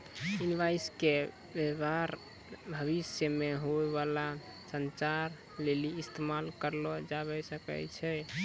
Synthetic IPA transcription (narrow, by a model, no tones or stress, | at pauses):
inibaiske | bebaɾ | bʱəβisjəmeɦoeβala | sənt͡ʃaɾ | leliːst̪emalkəɾlɔd͡ʒaβɛsəkɛ̰t͡ʃʰɛ